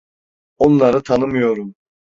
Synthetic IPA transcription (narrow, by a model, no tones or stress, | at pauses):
onlˠaɾɯt̪ʰanɯmɯjo̞ɾum